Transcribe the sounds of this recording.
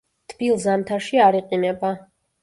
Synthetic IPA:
t̪ʰb̥ilˠzamt̪ʰaʃiaɾiqʼinɛba

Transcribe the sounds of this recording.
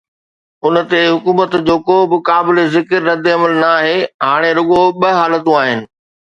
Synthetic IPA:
ʊn̆t̪eɦʊkuːmət̪d͡ʑoːkobɪkaːbɪlezɪkəɾːɐd̪eɐməlnɐːɦeːɦaːɽ̃eɾʊɠoɓɐɦaːlət̪ũaːɦɪnɪ̆

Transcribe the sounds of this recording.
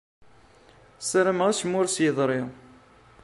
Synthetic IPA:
sɾəmʁæsmːʊɾsjəðˤɾˤɪ

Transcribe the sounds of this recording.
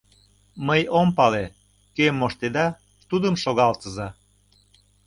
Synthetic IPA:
məjompɑle | kemːoʃt̪ed̪ɑ | t̪ud̪əmʃoɣɑlt̪əzɑ

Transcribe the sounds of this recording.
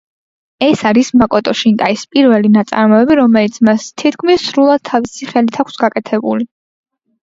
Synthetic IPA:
ɛsaɾismakʼɔt̪ʼɔʃint̪ʼaispʼiɾvɛlinat̪sʼa̰ɾmɔɛbiɾɔmɛlit̪sʰmast̪ʰit̪kʰmisːɾulˠad̪̥̚t̪ʰavisiχɛlit̪ʰakʷʰsɡakʼɛt̪ʰɛbṵli

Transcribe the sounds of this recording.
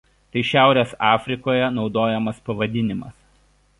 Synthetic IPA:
t̪ɐɪʃʲæˑʊɾʲeːsɑːfʲɾʲɪkoːjɛnɒʊd̪oːjɛmɐspɐʋɐd̪ʲɪnʲɪmɐ̰s

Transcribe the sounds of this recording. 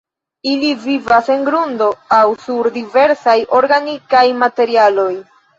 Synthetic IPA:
ilivivase̞ŋɡɾundo̞awsuɾdive̞ɾsajo̞ɾɡanikajmate̞ɾialo̞j

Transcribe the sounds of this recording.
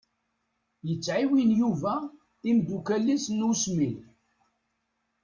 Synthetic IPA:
jət͡sːʕiwinjuvæ | imd̪ukælːisnusmil

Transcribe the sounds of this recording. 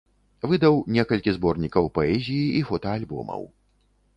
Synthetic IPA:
vɨd̪ɐwnʲɛkɐlʲkʲizbɔrnʲikɐwpɐɛzʲijiʔifɔt̪ɐalʲbɔ̰mɐ̰w

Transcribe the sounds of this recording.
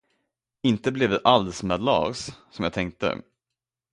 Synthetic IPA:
ɪnt̪əblɛvd̪ɛʔalsmɛːd̪lɑ̰ːssɔmjɑɡ̚t̪ʰɛŋk̚t̪ə̰

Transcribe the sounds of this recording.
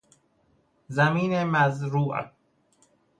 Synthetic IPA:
zæmiːnemæzɾuːʔ

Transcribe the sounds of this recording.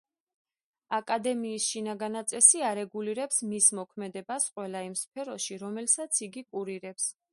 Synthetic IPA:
akʼad̪ɛmiːsʃinaɡanat̪sʼɛsiaɾɛɡuliɾɛpsmismɔkʰmɛd̪ɛbasqʼwɛlaimspʰɛɾɔʃiɾɔmɛlsat̪sʰiɡikʼuɾiɾɛps

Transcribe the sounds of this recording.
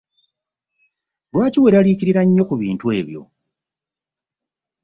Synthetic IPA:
lwaːciwe̞ɾaliciɾiɾaɲːo̞kuβiːntwe̞ːβjo̞̰

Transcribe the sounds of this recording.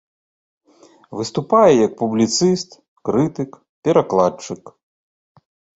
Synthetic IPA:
vɨst̪upajɛjɐk̚publʲit̪sɨst̪ | kɾɨt̪ɨk | pʲɛɾaklˠat͡ʂɨk

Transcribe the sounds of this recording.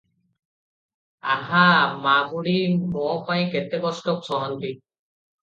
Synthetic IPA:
aɦamabuɽimɔpajkɛt̪ɛbɔstɔk̚sɔɦɔnt̪i

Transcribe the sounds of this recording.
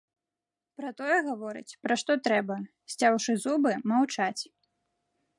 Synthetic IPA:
pɾɐt̪ɔjɛɣavɔɾɨ̰t͡sʲpɾɐʂt̪ɔt̪ɾɛbɐ | sʲt͡sʲawʂɨzubɨmawt͡ʂat͡sʲ

